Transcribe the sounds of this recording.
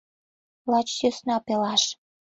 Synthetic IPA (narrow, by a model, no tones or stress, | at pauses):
lɑt͡ɕjøsnɑpelɑʃ